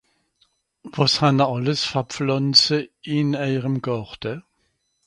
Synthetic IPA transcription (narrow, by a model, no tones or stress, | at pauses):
vɔshanəɑləsfɐpflɔnt͡səɪnæɪʁəmɡɔʁd̥ə